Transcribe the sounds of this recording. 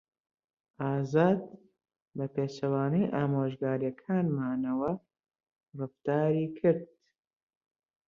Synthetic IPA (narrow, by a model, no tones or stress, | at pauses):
ʔaːzaːd̪̚ | bɐpeːt͡ʃɐwaːnijʔaːmoːʒɡaːɾjɐkʰaːnmaːnɐwɐ | rɨft̪aːɾiːkʰɨɾd̪̥̚